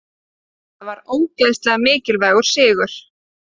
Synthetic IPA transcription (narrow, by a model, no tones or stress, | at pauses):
θavaɾoːwtlajðst̪lɛɣamɪːcɪlvaːɣʏɾ̥sɪːɣʏɾ̥